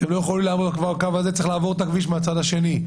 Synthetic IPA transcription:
t̪emlo̞jeχolimlaːmodkvaʁkavazet͡siχlaːvo̞ʁet̪akviʃmeat͡sad̪aʃe̞ni

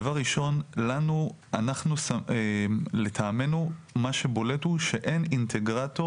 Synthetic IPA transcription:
vaʁiʃo̞nlanu | anaχnusa | let̪ʰaːme̞numaʃe̞bo̞le̞tuʃe̞ʔe̞nint̪ʰeɡʁat̪o

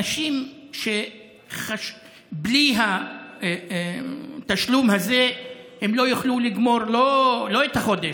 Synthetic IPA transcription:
aʃimʃe | χaʃ | bliɦa | t̪aʃlumhazehemlo̞juχluliɡmo̞ʁlolo̞et̪haχo̞d̪e

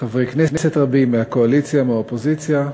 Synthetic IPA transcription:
t̪avʁiknenesetʁabimːeako̞alit͡sjameaopozit͡sja

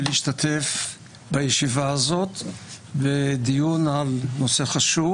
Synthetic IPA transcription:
leiʃtat̪ʰef | bajeʃivaazo̞t̪ | bed̪ijunalno̞se̞χaʃu

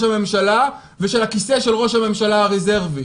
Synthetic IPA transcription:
ʃhame̞mʃala | veʃe̞lhakise̞ʃelʁo̞ʃhame̞mʃalaʁezeʁvi

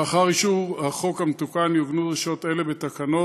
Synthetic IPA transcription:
aχaʁiʃuvhaχo̞khamet̪ukanjovnuʁeʃot̪e̞le̞be̞t̪akano

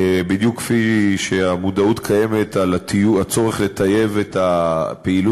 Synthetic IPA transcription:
bid̪jukːfiʃeamud̪autkʰaje̞me̞t̪alatiuat͡so̞ʁeχle̞taje̞vetapeilu

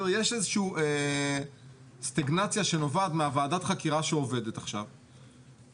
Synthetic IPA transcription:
jeʃezeʃuuʔe | st̪aɡnat͡sjaʃeno̞vadmeavaːdat̪χakiʁaʃeo̞ve̞det̪aχʃa̰v

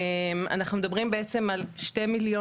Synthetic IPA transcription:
ema̰naχnume̞d̪abʁimbeet͡se̞malʃte̞miljo

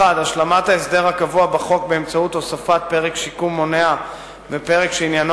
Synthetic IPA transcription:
adaʃlamataesd̪e̞ʁhakavuabaχo̞k̚be̞ːmt͡sautosafat̪̚pe̞ʁekʃikumːonea | vepe̞ʁekʃeinjan

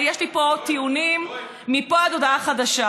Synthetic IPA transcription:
jeʃlipo̞t̪iunimː | ipoadodaχadaʃa

